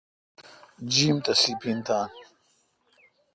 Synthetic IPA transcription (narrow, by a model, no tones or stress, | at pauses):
d͡ʑiːmt̪ɐsipʰint̪aːn